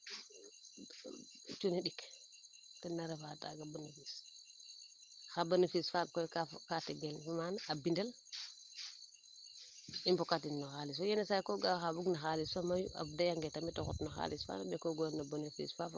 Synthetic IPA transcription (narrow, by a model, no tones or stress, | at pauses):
t͡ʃuniɗik | tɛnːaɾɛfata̰ɡabonifis | xabanifisfankɔjkakatiɡɛlfimanaabindɛl | impɔkatinnɔxalis̬ɔjɛnɛsajkɔɡaxabuɡnaxalisfamajṵa̰fdajaŋɡɛtamitɔxṵtnɔxa̰lisfa̰naɓɛkɔɡɔnabonefḭsfaf